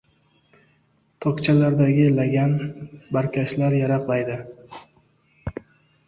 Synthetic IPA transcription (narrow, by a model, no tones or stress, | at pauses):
t̪ʰɒkt͡ʃʰalaɾd̪aɡʲɪlaɡʲanbaɾkʲʰaʃlaɾjaɾɑqlˠajd̪ɪ